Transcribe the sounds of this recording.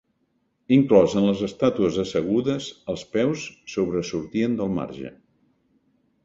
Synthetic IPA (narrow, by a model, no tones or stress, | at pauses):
iŋklɔzənləzəst̪at̪uəzəsəɣ̞uðəzəlˠspɛwssːoβɾəsuɾt̪iənd̪əlˠma̰ɾʒə̰